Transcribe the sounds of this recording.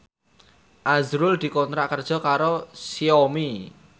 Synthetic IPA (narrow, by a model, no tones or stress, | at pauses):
ʔazɾʊld̪̥i̤kɔnt̪ɾaʔkərd̥ʒ̥ɔ̤kaɾosiomi